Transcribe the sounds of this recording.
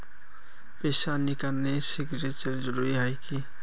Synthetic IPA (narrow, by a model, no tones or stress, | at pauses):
peːsanikəɾnesiɡɾet͡ʃəɾd͡ʒəɾuɾiɦɔjki